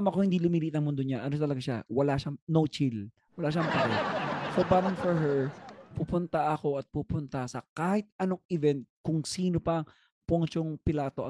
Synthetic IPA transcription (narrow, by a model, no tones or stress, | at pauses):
amɐkohɪnd̪iːlʊmiːliʔt̪ɐŋmʊnd̪oɲaʔɐnoʃat̪ɐlɐɡaʃa̰wɐlaʃanowt͡ʃil | wɐlaʃ̬aʔɐŋpɐɾɛsobaːmɐnfɔɹɦɛɹpupʊnt̪ɐʔɐko̞ʔɐt̪̚pupʊnt̪ɐsɐkaːhɪt̪̚ʔɐnoŋʔɪvɛnt̪̚kʊŋsiːnopɐʔɐŋ | poŋt͡ʃoŋpɪlaːt̪o̞ʔɐ